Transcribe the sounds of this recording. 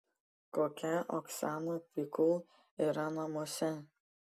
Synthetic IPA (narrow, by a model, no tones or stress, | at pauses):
koːkʲɛʔɔksanɐpikʊlˠ | iɾɐnɐmoːsʲɛ